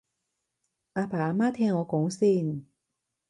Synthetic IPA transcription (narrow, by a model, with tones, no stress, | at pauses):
ʔaː˧pʰaː˨˩˧maː˦˥t̪ʰɛː˧ŋːɔː˨˧kɔː˨˥ŋsiː˧˩n